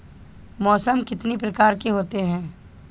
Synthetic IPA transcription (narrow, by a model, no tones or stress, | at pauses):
mɔːsəmkɪt̪nipɾɐkaːɾkeɦoːt̪eɦɛ̃ː